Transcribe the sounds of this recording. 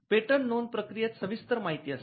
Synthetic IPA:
peʈənːonpɾəkɾijat̪səʋist̪əɾmaɦit̪iːas

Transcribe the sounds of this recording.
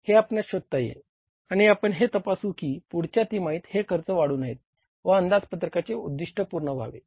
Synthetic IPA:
heapɳjaɕod̪̚t̪ajḛ | aɽ̃iapəɳɦet̪əpasuːkiːpuɽt͡ɕjat̪iːmaiːt̪hekʰəɾt͡səʋaɽuːnaɦet̪̚ | ʋəənd̪ad͡zpət̪ɾəkat͡ɕeud̪ːiʂʈəpuɾɳəbʱa̰ʋḛ

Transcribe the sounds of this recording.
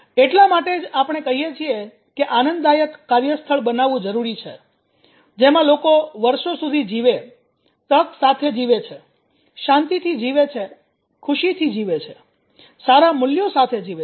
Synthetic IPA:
eʈlamaʈed͡ʒapɳ̃ekəɦijet͡ʃʰie | keʔanənd̪ajəkːaɾjəst̪ʰəɭbənaʋũd͡ʒəɾuɾit͡ʃʰe | d͡ʒemãlokoʋəɾʃosud̪ʱid͡ʒiʋe | t̪əksat̪ʰed͡ʒiʋet͡ʃʰe | ʃãnt̪it̪ʰid͡ʒiʋet͡ʃʰe | kʰuʃit̪ʰid͡ʒiʋet͡ʃʰe | saɾamʊljosat̪ʰed͡ʒiʋe

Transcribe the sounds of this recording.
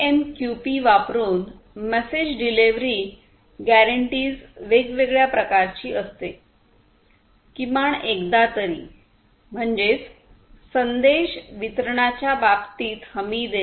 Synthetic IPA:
emkjupiʋapɾuːn | mɛsed͡ʑɖileʋɾiː | ɡæɾəɳʈiːzʋeɡʋeɡɭjapɾəkaɾt͡ɕiːʔəst̪e | kimaɳekd̪at̪əɾḭː | m̤əɳd͡ʑet͡s | sənd̪eɕʋit̪əɾɳ̃at͡ɕjabapt̪iːt̪həmiːd̪e

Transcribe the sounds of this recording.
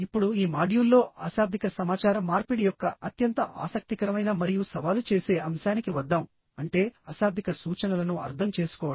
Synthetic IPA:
ipːuɽuiːmaːɽijulːo̞ːaːsaːb̚d̪ʱikɐsɐmaːt͡ʃaːɾɐmːaːɾpiɽijɔkːɐɐt̪jɐnt̪ɐʔa̰ːsɐk̚t̪ikɐɾɐmɐjnɐmɐɾijusɐʋaːlut͡ʃe̞ːse̞ːʔɐmʃaːnikiʋɐd̪ːaːm | ɐɳʈe̞ːɐsaːb̚d̪ʱikɐsuːt͡ʃɐnɐlɐnuɐ̰ɾt̪ʰɐmt͡ʃe̞ːsu̥kɔːʋɐ

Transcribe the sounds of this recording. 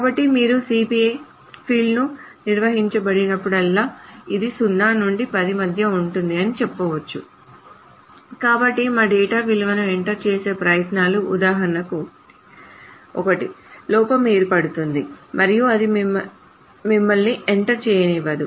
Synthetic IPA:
kaːbɐʈːimiːɾusiːpiej | pʰiːlnuniɾʋɐɦiɲt͡ʃɐbɐɽinɐpːuɽɐlːaːid̪isunːaːnuɳɖipɐd̪imɐd̪ʱjɐuɳʈund̪iɐnit͡ʃɛpːɐːʋɐt͡ʃːu | kaːbɐʈːimaːɖɛːʈaːʋiliʋɐnɐeɳʈɐɾt͡ʃeːse̞ːpɾɐjɐt̪naːluʔːd̪aːɦɐɾnɐku | ɔkɐʈilɔːpɐmeːɾpɐɽut̪und̪imɐɾijuɐd̪immɐ | mimːɐlniʔeɳʈɐɾt͡ʃɛːjɐniʋɐd̪u

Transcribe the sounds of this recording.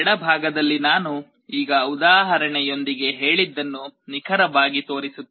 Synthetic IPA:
ɽɐbʱaːɡɐd̪ɐlːinaːnu | iːɡɐud̪aːɦɐɾɐɳɛjo̞nd̪iɡe̞ɦe̞ːɭid̪ːɐnːunikʰɐɾɐʋaːɡit̪o̞ːɾisut̪ː

